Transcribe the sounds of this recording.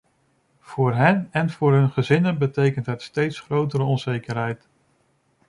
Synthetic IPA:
v̥ʊːɹɦɛnɛnv̥ʊːɹɦɵnχəzɪnənbətejkəntɦətstejtsχrowtəɾəɔnzejkəɹɦɛjt

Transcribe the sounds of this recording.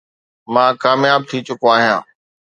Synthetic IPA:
mãːkaːmjaːb̚t̪ʰit͡ɕʊkoaːɦijã̰ː

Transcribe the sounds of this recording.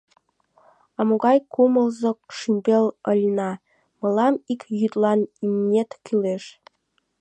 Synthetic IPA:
ɑmoɡɑjkumɤ̆lˠzɤ̆kʃymʲbʲelʲɤ̆lʲnɑ | mɤ̆lˠɑmikjyt̪lˠɑnimnʲet̪kilʲeʃ

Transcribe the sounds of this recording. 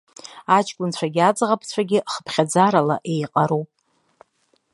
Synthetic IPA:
at͡ʃʰʼkʷʼʊnt͡ɕʷʰaɡʲɪad͡zʁapʰt͡ɕʷʰaɡʲɪχə̥pʰχʲad͡zaɾalaʔe̞jqʼaɾuwpʼ

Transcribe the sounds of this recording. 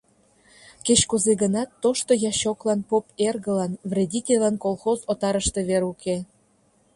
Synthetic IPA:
ket͡ɕkuzeɣənɑt̪ːoʃt̪ojɑɕoklɑnpoperɣəlɑnvrʲedʲitʲelʲɑnkolˠxozot̪ɑɾəʃt̪e̽βeɾuke

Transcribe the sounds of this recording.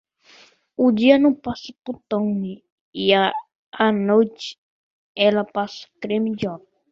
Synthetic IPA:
ʊd͡ʒiɐnɐ̃w̃pasɐput̪õwni | ia | anojt͡ʃɪ̥ | ɛlɐpasɐ̥kɾẽmid͡ʒɔp

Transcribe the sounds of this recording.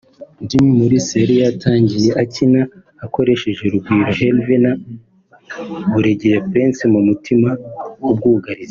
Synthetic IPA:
ndimimuɾiseɾijatʰaːɲɟije̞ʔacinaː | ko̞ɾe̞ʃe̞ʒe̞ɾubɡiːɾoɦelvina | βuɾeɟejepeːnsimumutʰimaub̚ɡuːɡaɾize

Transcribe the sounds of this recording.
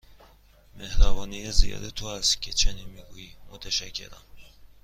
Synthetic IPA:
mehɾæbɒːnijezijɒ̰ːd̪et̪ʰoæst̪cʲʰet͡ʃʰeninmiɡuːjimot̪ʰæʃæcʰːe̞̰ɾæ̰m

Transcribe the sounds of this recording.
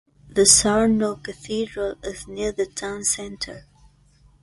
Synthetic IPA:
ðəsɑɹnokɨθidɹəlˠɪzniɹðɨtʰãʊ̃nsɛ̃ntʰə˞

